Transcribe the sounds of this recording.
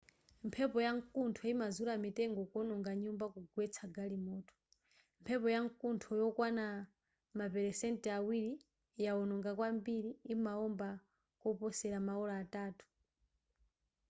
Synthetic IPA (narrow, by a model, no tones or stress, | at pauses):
mpʰɛpɔjaŋkuntʰɔimazulamitɛŋɡɔkɔnɔŋɡaɲumbakuɡwɛt͡sʰaɡalimɔːtɔ̥ | mpʰɛpɔjaŋkuntʰɔjɔkwana | mapɛɾɛsɛntɛawiɾi | jaɔnɔŋɡakwambiɾiːmaɔmba | kɔpɔsɛɾamaɔlaːtaːtu̥